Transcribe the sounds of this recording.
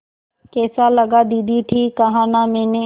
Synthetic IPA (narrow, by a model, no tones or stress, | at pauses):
keːsaːləɡaːd̪iːd̪iʈʰiːkːəɦãːnãːmẽːnẽ